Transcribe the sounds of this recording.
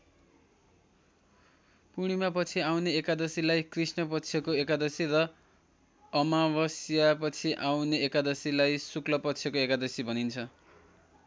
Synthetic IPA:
puɽ̃imapʌt͡sʰiawneekad̪ʌsilajkrisnʌp̬ʌtːt͡sʰjʌkoekad̪ʌsirʌ | ʌmabʌsjapʌt͡sʰiʔawneekad̪ʌsilajsuklʌpʌt͡sʰjʌkoekad̪ʌsibʱʌnint͡sʰʌ

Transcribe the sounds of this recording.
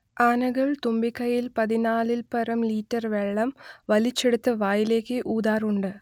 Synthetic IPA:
aːnɐɣɐɭt̪umbikːɐjilpɐðinaːlilpɐrɐmliːtːɐrʋe̞ɭːɐmʋɐlit͡ɕːe̞ɽut̪ːɨʋaːjile̞ːkːɨʔuːd̪aːruɳɖɨ

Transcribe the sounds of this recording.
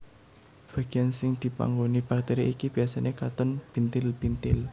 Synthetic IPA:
b̥a̤ɡ̥i̤jansɪŋd̪̥i̤pa̰ŋɡonib̥ak̚t̪eɾiikib̥i̤asanekat̪ʊnpint̪ɪlbint̪ɪl

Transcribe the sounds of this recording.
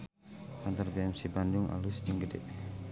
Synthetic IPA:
kant̪ərbeɛmsiband͡ʒʊŋa̰lusd͡ʒəŋɡədɛ̰ʔ

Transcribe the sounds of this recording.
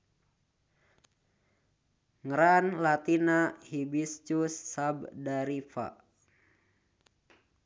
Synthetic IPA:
ŋəɾanlat̪inahibist͡ʃusːabdaɾifa̰

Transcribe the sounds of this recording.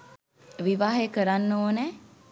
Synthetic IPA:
ʋiʋaːɦekəɾanːoːnɛː

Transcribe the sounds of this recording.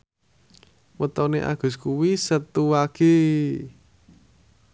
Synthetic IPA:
wət̪ɔneʔa̰ɡ̥ʊ̤skuwisət̪uwaki

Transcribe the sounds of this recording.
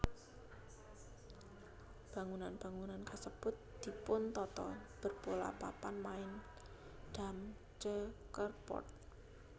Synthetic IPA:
b̥a̤ŋunanb̥a̤ŋunankasəb̥ʊt̪̚d̪̥i̤pʊnt̪ɔt̪ɔ̰b̥ərpola̰papanmaɪn | d̥a̤m | t͡ʃəkərpɔ̰rt̪̚

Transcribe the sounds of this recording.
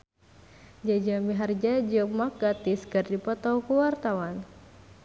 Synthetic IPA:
d͡ʒad͡ʒamiɦard͡ʒad͡ʒəmak̚ɡat̪iskɨrdipɔt̪ɔwkuwart̪awan

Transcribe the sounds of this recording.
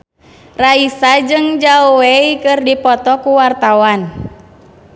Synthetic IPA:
raisad͡ʒɨŋd͡ʒaoweikɨrdipɔt̪ɔkuwart̪awan

